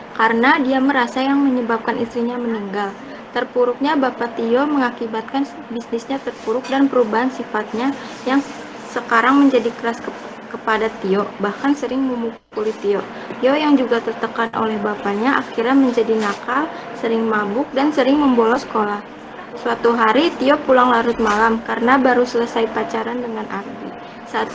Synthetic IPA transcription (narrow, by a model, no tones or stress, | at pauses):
kaɾənadiaməɾasajaŋməɲəbap̚kanist̪ɾiɲaməniŋɡal | t̪ərpuɾʊk̚ɲabapat̪iɔməŋakibat̪̚kan | bisnɪsɲat̪ərpuɾʊk̚danpəɾubaɦansifat̪̚ɲajaŋ | səkaɾaŋməɲd͡ʒadikəɾask | kəpadat̪iɔʔbahkansəɾɪŋməmukukulit̪iɔʔ | t̪iɔʔjaŋd͡ʒuɡat̪ərt̪əkanʔo̰lɛhbapaɲaʔakiɾaməɲd͡ʒadinakal | səɾɪŋmabʊk̚dansəɾɪŋməmbolɔsə̥kolah | swat̪uɦaɾit̪iɔʔpulaŋlaɾʊt̪̚malamkaɾənabaɾusələsaipat͡ʃaɾandəŋanʔardi | sat̪̚